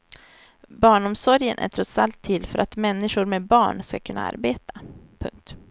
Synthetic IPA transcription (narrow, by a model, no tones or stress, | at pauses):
bɑːɳɔmsɔɾjənʔæ̰ʈʰɾɔt̪salt̪ʰːɪlːfœɾʔat̪mɛnːɪʂʊɾmebɑːɳska̰kʰɵnːa̰a̰ɾbeːt̪ʰḁpʰɵ̰ŋk̚t̪